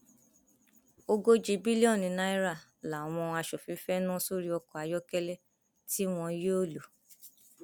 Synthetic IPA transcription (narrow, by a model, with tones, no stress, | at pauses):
o˧ɡo˦d͡ʒi˧bi˦li˦ɔ̃˦˨nĩ˧na˧˦i˦ɾa˦˨la˨w̃ɔ̃˧a˧ʃo˨fĩ˨˦fɛ˦nũ˦so˦ɾi˦ɔ˧kɔ˨a˨˧jɔ˦kɛ˦lɛ˦ | ti˦w̃ɔ̃˧i˧je˦o˦˨lo˨